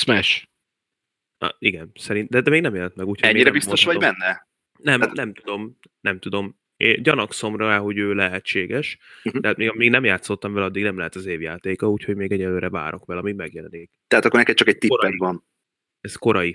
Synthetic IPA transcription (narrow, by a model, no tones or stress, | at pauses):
smɛʃ | iɡɛnsɛɾind̪ɛd̪ɛmeːɡnɛmjɛlɛnt̪mɛɡuːcʰoɛɲmːinɾɛbismt̪oʃʋɒɟbɛnːɛ | nɛmnɛmt̪ud̪o̞m | nɛmt̪ud̪o̞m | eɟɒnɒkso̞mrɒɛɦo̞ɟøːlɛɦɛt͡ʃːeːɡɛʃt̪ɛɦat̪meːɡmeːɡnɛmjaːt̪sːo̞t̪ːɒɱvɛlɒd̪ːiɡnɛmlɛɦɛt̪ɒzeːvjaːt̪eːkɒuːcho̞ɟmeːɡɛɟɛlːøːɾɛva̰ːɾʔo̞̰kʋɛlɒmiɡmɛɡjɛlɛniːkt̪ɛat̪ɒkːornɛkɛt̪̚t͡ʃɒkɛc̚t̪iɛvɒn | ɛsko̞ɾɒji